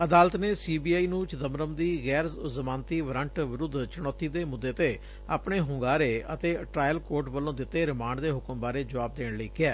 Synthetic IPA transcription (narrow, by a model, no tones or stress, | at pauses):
əd̪aːlət̪neːsiːbiːaːiːnũːt͡ʃd̪əmɾəmd̪iːɣɛːɾzzəmaːnt̪iːʋɾəɳʈʋɪɾʊd̪t͡ʃɪɽ̃ɔːt̪ːiːd̪eːmʊd̪ːeːt̪eː | a̰ːpɳeːɦʊ̃ŋɡaːɾeːət̪eːʈɾaːjəlkoːɾʈʋəlːõːd̪ɪt̪ːeːɾɪmaːɳɖd̪eːɦʊkəmbaːɾeːd͡ʒəʋaːb̚d̪eːɳləiːkɪɛː